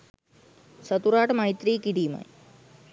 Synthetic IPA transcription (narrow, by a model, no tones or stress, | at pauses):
sət̪uɾaːʈmaːɦit̪ɾiːkiɖiːma̰j